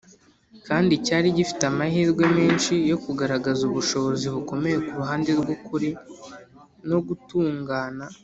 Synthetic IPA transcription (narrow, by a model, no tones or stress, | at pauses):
kaːndicaːɾiɟifi̥tamahiːɾɡwe̞me̞ːnʃijo̞kuɡaɾaɡazuβuʃo̞βo̞ziβuko̞me̞je̞kuɾuɦaːnde̞ɾɡwokuɾi | no̞ɡutuːŋɡaːna